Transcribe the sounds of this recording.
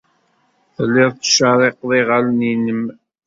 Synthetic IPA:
θlːɪðˤt͡sʃəɾˤeqðˤiʁalninəm

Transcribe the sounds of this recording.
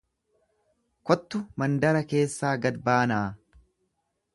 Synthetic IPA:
kɔt̪ːʊmɐnd̪ɐɾɐke̞ːsːaːɡɐd̪baːnaː

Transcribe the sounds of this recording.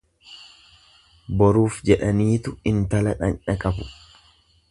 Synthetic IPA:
bɔɾuːfd͡ʒɛᶑɐniːt̪ʊɪnt̪ɐlɐᶑɐnᶑɐkʼɐbʊ̥

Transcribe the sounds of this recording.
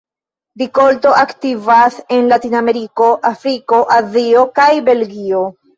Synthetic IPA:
biko̞lto̞ʔaktivase̞nlatiname̞ɾiko̞ʔafɾiko̞ʔazio̞kajbe̞lɡio̞

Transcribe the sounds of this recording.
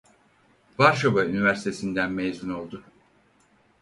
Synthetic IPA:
vaɾʃabaynivæɾsi̥t̪ʰe̞sind̪ænmejzuno̞lˠd̪ʊ

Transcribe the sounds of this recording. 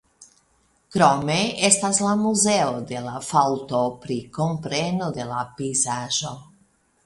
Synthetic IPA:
kɾomeest̪azlamuzeod̪elafawt̪opɾikompɾenod̪elapizaʒo

